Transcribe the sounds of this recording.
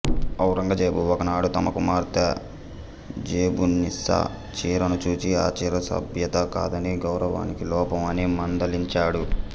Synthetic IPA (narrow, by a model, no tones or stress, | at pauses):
ɐwɾɐŋɡɐd͡ʒeːbuɔkɐnaːɽut̪ɐmɐkumaːɾt̪ɐ | d͡ʒeːbunisɐ̰ | t͡ʃiːɾɐnut͡ʃuːt͡ʃiaːt͡ʃiːɾɐsɐ̰bʱjɐt̪ɐka̰ːd̪ɐniɡɐwɾɐʋa̰ːnikilɔːpɐmɐnimɐnd̪ɐliɲt͡ʃaːɽu